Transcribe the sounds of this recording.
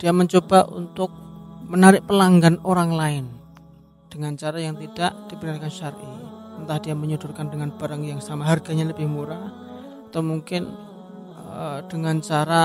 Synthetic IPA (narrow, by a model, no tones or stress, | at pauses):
d̥iaməɲt͡ʃobaʔṵnt̪ʊk̚mənaɾɪk̚pəlaŋɡanoɾaŋlaɪn | d̥əŋant͡ʃaɾajaŋt̪idaʔd̥ibənarkanʃarʔiənt̪ahd̥iaməɲudʊrkandəŋanb̥aɾaŋjaŋsamaɦarɡ̥aɲaləbɪhmuɾa | at̪awmuŋkɪn | d̥əŋant͡ʃaɾa